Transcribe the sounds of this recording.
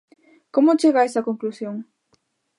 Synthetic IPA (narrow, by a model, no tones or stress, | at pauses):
komʊt͡ʃeɣaesɐkoŋklusjoŋ